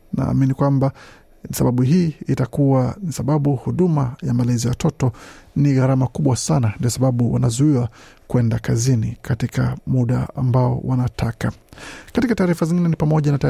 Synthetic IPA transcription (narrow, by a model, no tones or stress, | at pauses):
na̰ːminikwamba | saɓaɓuɦiːtakuwanisaɓaɓuhuɗumajamalɛzijawatɔtɔniɣaɾamakuɓwasanandiɔsaɓaɓuwa̰nazuiwa | kwɛndakazinikatika̰muɗaa̰mbaɔ̰wanatʰakakatikataːɾifaziŋɡinɛnipamɔʄanata